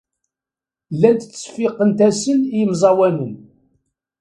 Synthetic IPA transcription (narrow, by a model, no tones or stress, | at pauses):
lːænt̪t͡sːə̥fɪqːənt̪æsənjəmzˤɑwænən